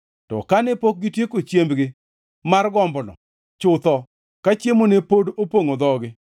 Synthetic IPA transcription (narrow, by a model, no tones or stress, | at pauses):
tɔ̰kanɛpok̚ɡɪtjekot͡ʃjembɡɪ | marɡɔmbnɔ̰ | t͡ʃʊt̪ɔ | kat͡ʃjemonepodopwoŋod̪ɔɡɪ